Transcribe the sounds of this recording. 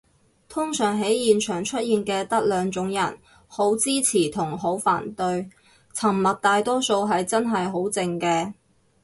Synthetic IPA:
t̪ʰʊ˥ŋsœː˨˩ŋɦe˨˥jjiː˨nt͡ʃʰœː˨˩ŋt͡ʃʰɵ˥t̚jiː˨nkɛː˧t̪ɐ˥k̚lœː˨˧ŋt͡sʊ˨˥ŋjɐ̰˨˩n | ho˨˥wt͡siː˥t͡sʰiː˨˩t̪ʰʊ˨˩ŋɦo˨˥wfa̰ː˨˩nt̪ɵ˧ɥ | t͡sʰɐ˨˩mmɐ˨t̚t̪aː˨jt̪ɔː˥so˧wɦɐ˨jt͡sɐ˥nɦɐ˨jɦo˨˥wt͡sɪ˧ŋkɛː˧

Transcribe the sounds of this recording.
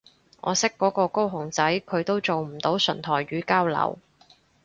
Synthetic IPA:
ŋʔɔ̰ː˨˧sɪ˥kːɔː˨˥kɔː˧ko˥wɦʊ˨˩ŋt͡sɐ˨˥jkʰɵ˨˧ɥt̪o˥wt͡so˨wm̩˨˩t̪o˨˥wsɵ̰˨˩nt̪ʰɔː˨˩jɥyː˨˧kaː˥wlɐ̰˨˩w

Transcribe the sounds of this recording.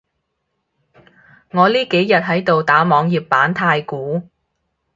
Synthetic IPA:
ŋɔː˨˧liː˥ke˨˥jjɐ˨t̚ɦɐ˨˥jt̪o˨wt̪aː˨˥mɔː˨˧ŋjiː˨pːaː˨˥nt̪ʰaː˧jkuː˨˥

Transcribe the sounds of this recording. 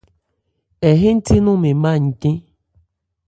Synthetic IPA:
ɛ˨ɦe˦n̩˦ti˦nũ˦˨me˨mã˦˨ɲ̩˨kĩ˦

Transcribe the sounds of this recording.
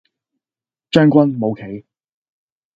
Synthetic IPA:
t͡ʃœː˥ŋkʷɐ˥nmo˨˧wkʰe˨˥j

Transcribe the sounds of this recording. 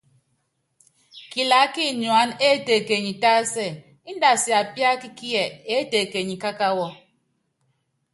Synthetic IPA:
ki˨la˨˦ki˦ɲwa˨˦ne˦te˨ke˨ɲi˨ta˦sɛ˦˨ | i˦n˦da˨sja˨pja˦ki˦ki˦ɛ˨e˦te˨ke˨ɲi˨ka˦ka˦wɔ˦

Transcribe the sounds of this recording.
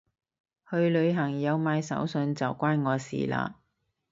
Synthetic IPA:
hɵ˧ɥlɵ˨˧ɥɦɐ˨˩ŋjɐ˨˧wmaː˨˧jsɐ̰˨˥wsɵ˧nt͡sɐ˨wkʷaː˥nŋɔː˨˧sḭː˨˩la̰ː˧

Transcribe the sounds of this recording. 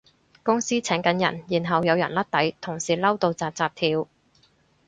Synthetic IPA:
kʊ˥ŋsiː˥t͡sʰɛː˨˥ŋkɐ˨˥njɐ̰˨˩njiː˨˩nɦɐ˨wjɐ˨˧wjɐ̰˨˩nlɐ˥t̚t̪ɐ˨˥jt̪ʰʊ˨˩ŋsiː˨˩lɐ˥wt̪o˨˧wt͡saː˧p̚t͡saː˧p̚t̪ʰiː˧w

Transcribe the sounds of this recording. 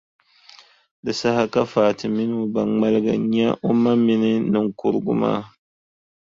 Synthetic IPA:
dɨ˨sa˦ha˦ka˦faː˨tɨ˨mɪ˦nu˦ba˨ŋŋ͡ma˦lɨ˦ɡa̰˨ɲɛ˦ʔo˦ma˦mɪ˦nɨ˦nɨ˨ŋkʊ˦ɾɨ˦ɡʊ̰˦ma̰ː˦

